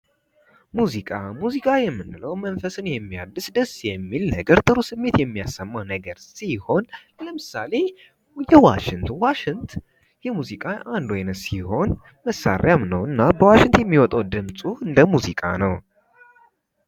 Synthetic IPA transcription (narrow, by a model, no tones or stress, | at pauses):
muzikʼamuzikʼajɛmːɨnːɨləwmənfəsɨnjɛmːijad̪ːɨsd̪əsːjɛmːilnəɡəɾt̪ʼɨɾusɨmːe̞t̪jɛmːijasːəmːawnəɡəɾsiho̞n | ləmɨsale̞ | jɛwa̰ʃɪŋt̪ʰwaʃɪnt̪ʰ | jɛmuzikʼaand̪ojnəsiho̞n | məsːa̰ɾjamnəwɨnːabəwaʃɪŋt̪jɛmːiwɔt̪ʼawd̪ɨmsʼuhɨnd̪əmuzikʼa̰nəw